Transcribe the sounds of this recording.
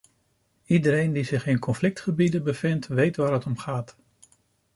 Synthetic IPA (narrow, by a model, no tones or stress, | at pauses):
idəɾejndizɪχɪnkɔnflɪk̚tχəbidəbəvɪntʋejtʋaːɹɦətɔmχaːt